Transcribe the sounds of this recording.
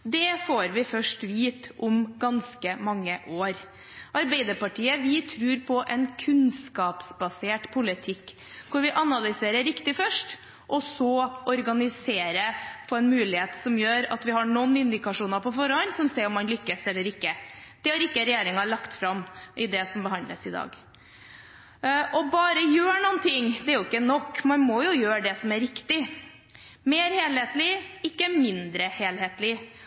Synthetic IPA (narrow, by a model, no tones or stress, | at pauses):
d̪ɛfoːɾʋɪfœʂʈʋiːt̪ʔʊmɡɑnskəmɑŋːəʔoːɾ | ʔɑɾbæɪd̪əɾpɑʈiːəʋɪt̪ʰɾʉːɾpʰɔʔɛnkʰʉnskɑːpsbɑseːʈpʰʊlɪt̪ʰɪkː | kʰʊɾʋɪʔɑnɑlʏseːɾəɾɪkt̪ɪfœʂʈ | ʔɔsɔʔɔɾɡɑnɪseːɾəpʰɔɛnmʉːlɪheːt̪sɔmjøːɾɑ̰t̪ʋɪhɑɳɔnːɪnd̪ɪkɑʂuːnɑɾpɔfɔɾəɔnːsɔmseːɾɔmːɑnlʏkːəsɛlːəɾɪkːəd̪̥ɛɑɾɪkːəɾɛjeːɾɪŋɑɭɑkt̪fɾɑmʔɪd̪ɛsɔmbəɦɑnd̪lə̰sɪd̪ɑ̰ːɡ | ʔɔbɑːɾəjøːɳunt̪ʰɪŋd̪ɛæɾjʊɪkːənɔkːmɑnmɔjʊjøːɖɛsɔmæɾɪkt̪ɪ | meːɾheːlheːt̪lɪɪkːəmɪnd̪ɾəheːlheːt̪lɪ